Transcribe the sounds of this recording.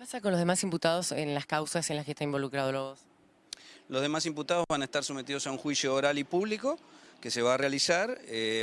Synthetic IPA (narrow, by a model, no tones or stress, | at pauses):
epasak̬onloð̞emasimput̪að̞o̞senlaskawsasenlasket̪aimbo̞lukɾað̞oloɣos | loðemasimput̪að̞ozβanaest̪aɾsome̞t̪iðosaũŋxwisjoːɾalipuβlikokese̞βaːrealisaɾe